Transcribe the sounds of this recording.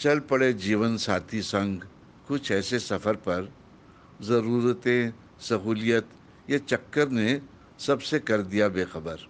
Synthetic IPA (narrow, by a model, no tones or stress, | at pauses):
t͡ʃɐlpɐɽed͡ʒiːʋənsaːt̪ʰisɐ̃ŋɡ | kʊt͡ʃʰɛːsesɐfəɾpɐɾ | zɐɾuːɾət̪ẽ | sɐɦuːlijət̪ | jat͡ʃɐkːəɾne | sɐbsekɐɾd̪ijabeːxɐbəɾ